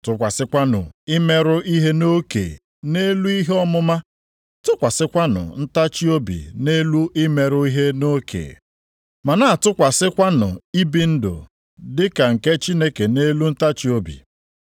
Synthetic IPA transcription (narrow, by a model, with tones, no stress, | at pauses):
tʊ˦kʷa˨sɪ˦kʷa˦nʊ̰˨ɪ˦me˦ɾʊ˦i˦ɦe˦no˦kḛ˨ | ne˦lu˦i˦ɦe˦ɔ˦mʊ˦ma˦ | tʊ˦kʷa˨sɪ˦kʷa˦nʊ̰˨n̩˦ta˦t͡ʃi˦o˦bḭ˨ne˦lu˦ʔɪ˦me˨ɾʊ˦i˦ɦe˦no˦kʰḛ˨ | ma˨na˦˨tʊ˦kʷa˨sɪ˦kʷa˦nʊ̰˨i˦bi˦n̩˦dʊ̰˨ | dɪ˦ka˨ŋ̩˨ke˦t͡ʃi˦ne˦ke˨ne˦lu˦n̩˦ta˦t͡ʃi˦o˦bḭ˨